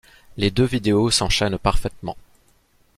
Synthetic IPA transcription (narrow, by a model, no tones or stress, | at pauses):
led̪øvid̪eosɑ̃ʃɛnpaʁfɛt̪mɑ̰̃